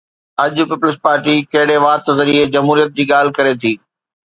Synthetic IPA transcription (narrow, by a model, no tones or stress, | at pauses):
ɐʄʊ̆pɪpʊlɪspaːɾʈikɐɦɪɽeʋaːt̪zɐɾied͡ʑɐmɦuːɾijət̪̚d͡ʑiːɠaːl̤ɪkɐɾet̪ʰiː